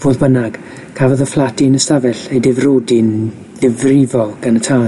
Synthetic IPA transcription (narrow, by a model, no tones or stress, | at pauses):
v̥oːðbənaɡ̥ | kʰavɔðəflˠatɪnəstavɛɬejdɪvroːdɪn | dɪvrɪvɔɡ̥anətʰaː